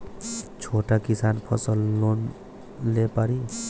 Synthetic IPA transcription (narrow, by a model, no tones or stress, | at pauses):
t͡ʃʰoʈakisanpʰə̰səlːon | lepaɾi